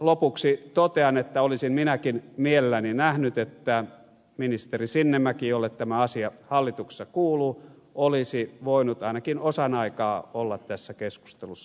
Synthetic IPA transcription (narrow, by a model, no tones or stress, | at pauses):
lopuksit̪ot̪eɑnet̪ːæolisimminækinmielelːæninæhnyt̪et̪ːæ | minist̪erisinːemːækijolːet̪t̪æmæɑsiɑhɑlːit̪ukse̥sːɑkuːluː | olisiʋoˑinut̪ɑinɑkinosɑnɑikɑːolːɑt̪t̪æsːækesku̥st̪elusːɑ